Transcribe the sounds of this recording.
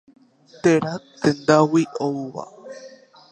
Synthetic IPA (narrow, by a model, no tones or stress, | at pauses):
t̪eɾat̪ẽnd̪awiʔouʋa̰